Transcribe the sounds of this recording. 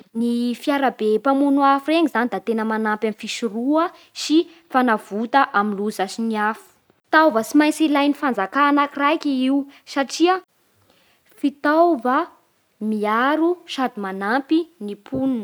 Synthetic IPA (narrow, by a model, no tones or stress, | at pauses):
nifiaɾabepamunuafureŋizanid̪at̪enəmanampamfisuruə | si | fanavut̪aʔaminluzasiniafu̥ | t̪awvəsimajnt͡silajnifand͡zakaːnakirajkʲiiusaʈ͡ʂiə | fit̪awvə | miaɾuʃad̪imanampinipʰunnə̥